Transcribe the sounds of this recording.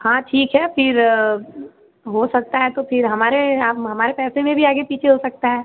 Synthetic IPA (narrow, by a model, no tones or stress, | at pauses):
hãːʈʰiːkɦɛfɪɾ | ɦosɐk̚t̪aɦɛt̪ofʰɪɾɦɐmaːɾeaːpɦɐmaːɾepɛːsẽmẽbʱiaːɡepiːt͡ʃʰeɦosɐk̚t̪aɦɛː